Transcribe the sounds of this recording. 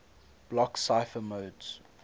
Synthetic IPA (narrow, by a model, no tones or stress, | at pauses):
b̥lɔksaɪfəmoʊdz̥